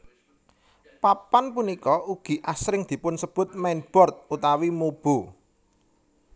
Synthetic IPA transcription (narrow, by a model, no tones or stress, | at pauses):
papanpunikɔuɡ̥i̤ʔasɾɪŋd̪̥i̤pʊnsəb̥ʊ̤t̪̚mɛnb̥ɔ̤rt̪̚ut̪awimob̥o̤